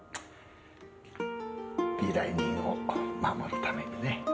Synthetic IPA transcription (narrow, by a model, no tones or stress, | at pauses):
b̥ʲiɾaiɲiŋomamoɾɯ̟t̪ame̞ɲine